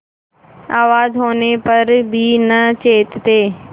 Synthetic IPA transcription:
aːʋaːzɦoːnepɐɾbʱinət͡ʃeːt̪t̪eː

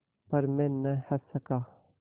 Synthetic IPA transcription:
pɐɾmɛ̃ːnɐhɐsɐkaː

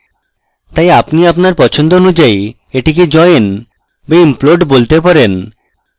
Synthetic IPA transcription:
t̪ajapniapnaɾpɔt͡ɕʰond̪oonud͡ʑaj | eʈik̬ed͡ʑɔeen | beimploɖbolt̪epaɾen

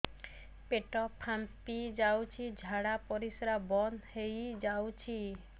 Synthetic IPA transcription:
peʈɔpʰampid͡ʒawt͡ʃʰid͡ʒʱaɽapɔɾisɾabɔnhejd͡ʒawt͡ʃʰi

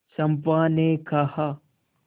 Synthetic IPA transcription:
sɐ̃mpaːnekɐhaː

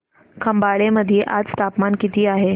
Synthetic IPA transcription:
kʰəmbaɭeməd̪ʱːijeʔad͡zt̪apmankit̪iːaɦe

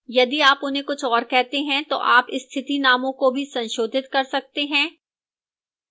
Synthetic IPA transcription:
jɐd̪iaːpʊnɦẽkʊt͡ʃʰɔːɾkɛɦt̪eɦɛ̃t̪o̰ʔaːpɪst̪ʰɪt̪inaːmõkobʱisɐ̃nʃoːd̪ʱɪt̪kɐɾsɐk̚t̪eɦɛ̃ː

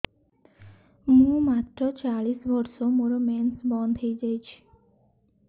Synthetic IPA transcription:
mũmat̪ɾot͡ɕaɭisbɔɾʃomoɾomɛnsbɔnd̪ʱɦejd͡ʑajt͡ɕʰi̥

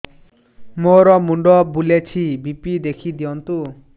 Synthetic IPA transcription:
moɾɔmuɳɖɔbulet͡ʃʰibipid̪ekʰid̪ijɔnt̪u

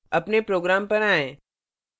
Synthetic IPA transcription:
ɐpnepɾoːɡɾaːmpɐɾaːẽː

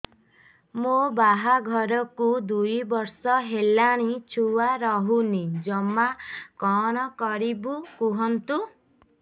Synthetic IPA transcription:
mobaɦaɡʱɔɾɔkud̪ujbɔɾsɔɦelaɽ̃it͡ʃʰuwaɾɔɦunid͡ʒɔmakɔɽ̃ɔkɔɾibukuɦɔnt̪u

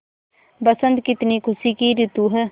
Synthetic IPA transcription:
bəsənd̪̚kɪt̪niːkʰʊsiːkiːɾɪt̪uːɦɛː

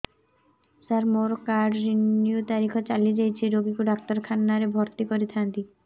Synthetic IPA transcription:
saɾmoɾokaɖɾinːiot̪aɾikʰot͡ɕalied͡ʑajt͡ɕʰiɾoɡikuɖak̚t̪aɾkʰanːaɾebʱɔɾt̪ikoɾit̪ʰant̪i

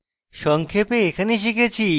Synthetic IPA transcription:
ʃɔŋkʰepeekʰaneʃ̬ikʰet͡ɕʰi

